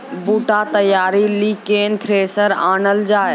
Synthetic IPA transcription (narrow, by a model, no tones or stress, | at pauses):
buːʈat̪əjaːɾilikeːnt̪ʰɾeːsəɾaːnəld͡ʒaː